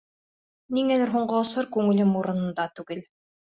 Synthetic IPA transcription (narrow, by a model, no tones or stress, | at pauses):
niŋɛlɛɾɦuɴɢɔːsɔɾkɵŋɘlʲɘmuɾunŭnd̪at̪uɡɘlʲ